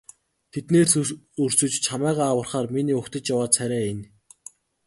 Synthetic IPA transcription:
t̪ʰet̪neːrs | ɵr̥sɵ̆t͡ɕt͡ɕʰamæːʁaːwə̆rχaːrminiːʊkt̪ə̆t͡ɕjawaːsʰæɾʲæːen

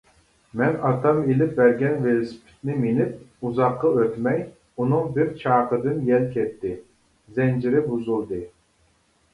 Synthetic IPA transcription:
mɛnɑt̪ʰɑmelɪp̚bæɾɡʲɛnvelspʰɪ̥t̪nɪmenɪp̚uzɑqːɑøt̪mɛj | unɨŋbɪɾt͡ʃʰɑːqəd̪ɨnjɛlkʲʰɛt̪ʰːɪ | zɛnd͡ʒɪɾɪbuzulˠd̪ɨ

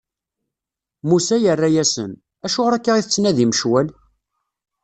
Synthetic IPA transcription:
musæjərːæjæsə̰n | æʃʊʁɾækːaʁiθət͡sːnæðiməʃwæl

